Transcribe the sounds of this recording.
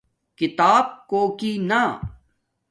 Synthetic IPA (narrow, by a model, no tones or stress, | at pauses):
kɪt̪aːb̚koːkiːna